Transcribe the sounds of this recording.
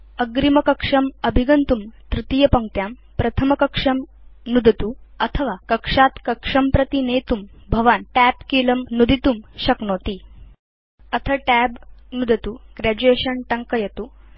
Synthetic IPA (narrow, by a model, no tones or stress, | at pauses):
əɡɾimɐkəkʂɐməbʱiɡɐnt̪umt̪ɾit̪ijɐpɐŋt̪jam | pɾɐt̪ʰəmɐkɐkʂɐm | nud̪ʱɐt̪uət̪ʰəʋakəkʂat̪kɐkʂɐmpɾɐt̪inet̪umbʱɐʋaːnʈæpkilɐmnud̪ʱit̪umɕɐknoːt̪iː | ət̪ʰəʈæbnud̪ʱət̪uːɡɾæd͡ʑueɕənʈɐŋkəjɐt̪u